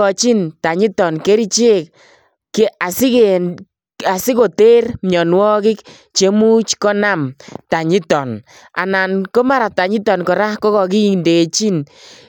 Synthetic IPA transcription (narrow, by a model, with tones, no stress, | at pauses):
ɔ˨t͡ʃi˦nta˨ɲɪ˦tɔ˨nke˦ɾi˦t͡ʃe˦k̚ | ke˦a˨sɪ˦ke | a˨sɪ˦ko˨te˦rmɲɔ˨nwɔ˦kɪ˦k | t͡ʃe˦mu˦t͡ʃkɔ˦na˦˨mta˨ɲɪ˦tɔ˨n | a̰˨na˨nkɔ˦ma˦ɾa˨ta˨ɲɪ˦tɔ˨nkɔ˨ɾa˦kɔ˦kɔ˨k̬i˦i˨nde˨t͡ʃi˦n